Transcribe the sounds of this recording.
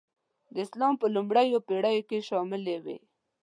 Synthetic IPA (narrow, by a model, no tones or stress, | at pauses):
d̪əɪslɑmpəlumɽajopeɽajokeʃɑmɪlewḛ